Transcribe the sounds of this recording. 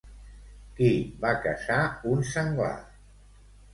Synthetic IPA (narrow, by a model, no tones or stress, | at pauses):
kibakəsaunsəŋɡwa̰